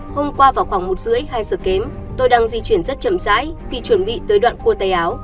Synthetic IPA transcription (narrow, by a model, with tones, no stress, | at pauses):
ho˧mkwaː˧vaː˨˩wxwaː˧˩ŋmo˨˩t̚zɨ̰˧˥əjhaː˧jzəː˨˩ke˨˦mt̪o˧jɗaː˧ŋzi˧t͡ɕwi˧˩ənzə˦˥t̚t͡ɕə˧˩mza̰ː˧˥jvi˨˩t͡ɕwə˧˩nɓḭ˧˨t̪əː˨˦jɗwa̰ː˧˨nku˧ət̪aː˧˩jʔaː˨˦w